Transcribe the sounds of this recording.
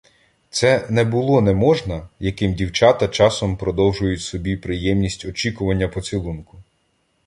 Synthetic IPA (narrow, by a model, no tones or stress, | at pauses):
t̪sɛnɛbʊlˠɔnɛmɔʒnɐjɐkɪmdʲiwt͡ʃɑt̪ɐt͡ʃɑsɔmpɾɔd̪ɔwʒʊjʊtʲsɔbʲipɾɪjɛmnʲisʲtʲɔt͡ʃʲikʊʋɐnʲːɐpɔt͡sʲilˠunkʊ